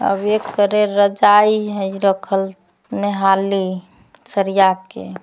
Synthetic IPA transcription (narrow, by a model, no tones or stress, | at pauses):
ə̰bekːəɾeɾəd͡ʒajɦəiɾəkʰəl | neɦali | səɾijakḛ